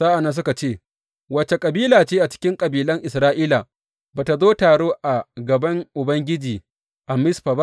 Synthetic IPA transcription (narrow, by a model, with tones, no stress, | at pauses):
zaː˦ʔa˨nɐ˦s̬ʊ˦ka˨t͡ʃeː˦˨ | wɐ˦˨t͡ʃe˨kʼɐ˨biː˦laː˨t͡ʃeː˦ʔa˨t͡ʃɪ̥˦kʲɪ˦ŋkʼɐ˨biː˨lɐ˦ŋʔɪ˨sɾaː˦ʔiː˦la˨ | baː˨ta˨zoː˦taː˨ɽoː˦ʔa˨ɡɐ˨bɐ˦ŋʔʊ˨bɐ˦ŋɡʲɪ˦d͡ʒiː˨ | ʔa˨mɪ˦sɸa˨ba˦